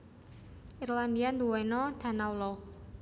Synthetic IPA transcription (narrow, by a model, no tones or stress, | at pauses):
ʔirland̪iand̪uwɔnɔt̪ʰanawlɔ